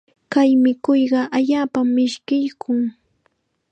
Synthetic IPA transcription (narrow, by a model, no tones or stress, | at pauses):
kajmɪkʊjɢɑʔaʎaːpamːɪʃkɪjkʰʊŋ